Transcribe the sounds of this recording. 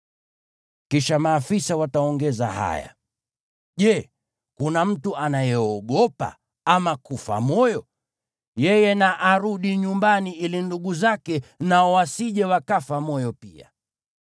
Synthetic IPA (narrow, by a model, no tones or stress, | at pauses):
kiʃamaːfisawataɔŋɡɛza̰ha̰ja̰ | ʄɛ | kunam̩tuʔanajɛɔɠɔpa̰ | amakufa̰mɔjɔ | jɛjɛnaʔaɾuɗiɲumbaniʔilinduɠuzakɛnaɔwasiʄɛwakafamɔjɔpia̰